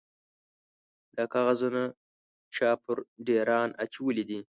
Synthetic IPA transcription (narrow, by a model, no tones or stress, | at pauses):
d̪̥akaɣazuna | t͡ʃɑːpʰʊɾɖeɾɑːnat͡ʃwəlid̪i